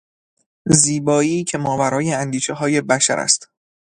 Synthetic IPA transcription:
ziːbɒːiːcʰe̞mɒːvæɾɒːjeænd̪iːʃeɦɒːje̞bæʃæ̰ɾæ̰st̪

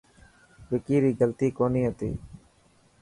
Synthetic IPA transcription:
ʋɪkiːɾiːɡəlt̪iːkoːniːɦət̪ḭː

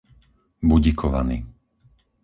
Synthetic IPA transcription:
buɟikʰɔʋa̰niː

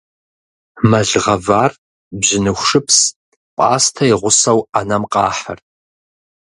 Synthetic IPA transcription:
mɐɮʁɐvaːr | bʑɪnɨxʷʂɨpʰs | pʼa̰ːstʰɐɪʁʷʊsɐwanɐmqʼɑːħɐ̰r

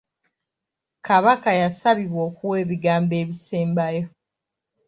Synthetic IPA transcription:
kaβakajasaβiβwo̞ːkuwe̞ːβiɡaːmbe̞ːβiseːmbajo̞

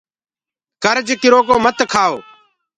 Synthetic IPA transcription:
kəɾd͡ʒkɪɾoːkoːmət̪kʰaːoː

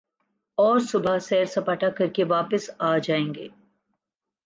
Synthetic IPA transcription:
ɔːɾsʊbʱasɛːɾsɐpaːʈʰakɐɾkeʋaːpəsaːd͡ʒaːẽːŋɡḛː

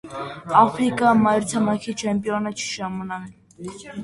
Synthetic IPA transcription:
ɑfɾikɑmɑjɾt̪ʰɑmɑkʰit͡ʃʰɛmpjɔnət͡ʃʰi̥ʃɑmɑnɑ

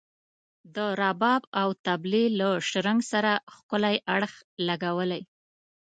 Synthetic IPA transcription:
d̪əɾɑbɑbawt̪ablelaʃɾaŋɡsaɾaxkəlajʔaɽx | laɡawəlaj

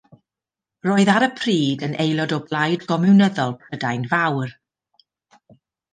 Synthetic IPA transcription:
roːɨðaɾəpʰriːdənʔejlˠɔdɔblˠajdɡ̥ɔmɪwnəðɔlˠpʰədajnvawr

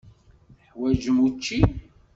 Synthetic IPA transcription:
θħwæʒəmut͡ʃːi

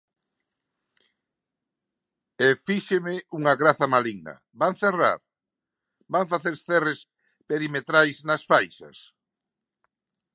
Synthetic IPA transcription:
efiʃemɪuŋɐɣɾaθɐmaliŋɐ̰ | baŋθera̰ɾ | baɱfaθeɾsθɛres | peɾimet̪ɾajsnɐsfajsɐ̰s

